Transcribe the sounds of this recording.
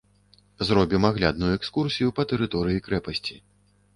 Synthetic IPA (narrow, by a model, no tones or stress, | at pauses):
zrɔbʲimaɣlʲa̰d̪̚nujuɛkskursʲijupɐt̪ɛɾɨt̪ɔɾɨjikɾɛpɐsʲt͡sʲi